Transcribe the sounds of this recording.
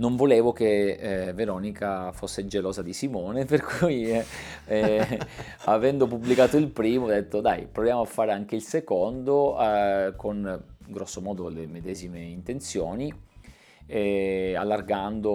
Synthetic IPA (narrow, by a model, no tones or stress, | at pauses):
noɱvoleːvokeveɾɔːnikʰafosːed͡ʒeloːzad̪isimɔːneperkʰuj | ɛ | avɛnd̪opubːlikaːt̪oilpɾiːmod̪et̪ːod̪ajpɾovjaːmoafːaːɾeaŋk̟eilsekond̪o | konɡɾɔsːomɔːd̪olemed̪ɛːzimeint̪ent̪sjoːni | ɛalːarɡand̪o